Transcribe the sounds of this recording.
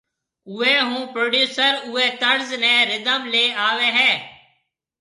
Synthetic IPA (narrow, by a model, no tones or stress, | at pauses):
ʊɛːɦũːpɾoːɖjuːsəɾʊɛːt̪əɽznɛ̃ːɾɪd̪əmleːaːʋɛ̃ːɦɛː